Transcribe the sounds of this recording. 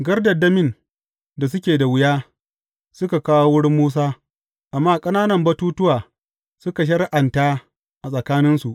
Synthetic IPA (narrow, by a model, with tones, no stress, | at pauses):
ɡɐ˦rdɐ˨dɐ˦mɪ˦˨n | da˨sʊ˦kʲeː˨da˨wʊ˦jaː˦ | sʊ˦ka˨kaː˦wo˦wʊ˦ɽɪ˦mːuː˦s̬aː˦ | ʔa˨mːaː˦kʼɐ˦naː˦nɐ˨mbɐ˦tuː˦tʊ˦waː˨ | sʊ˦ka˨ʃ̬ɐ˦ɾʔa˨ntaː˦ | ʔa˨sʼɐ˨kaː˦nɪ˦nsu˨ʔ